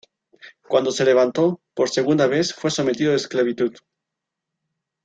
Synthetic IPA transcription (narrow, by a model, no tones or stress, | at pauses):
kwand̪ose̞le̞β̞ant̪opoɾseɣ̞und̪aβ̞e̞θfwe̞so̞me̞t̪iðoesklaβ̞it̪uð